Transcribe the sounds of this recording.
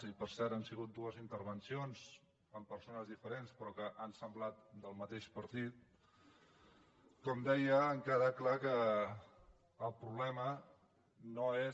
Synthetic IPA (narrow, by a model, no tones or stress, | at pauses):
ipəɾsɛɾt̪ansiɣ̞ut̪̚d̪uəzint̪əɾβ̞ənsionz | əmpəɾsonəzðifəɾenspɾɔkəʔansəmblat̪̚d̪əlˠmət̪eʃpəɾt̪it̪ | kɔmd̪ɛjəːŋkaɾəklakə | lˠpɾuβlɛmə | noe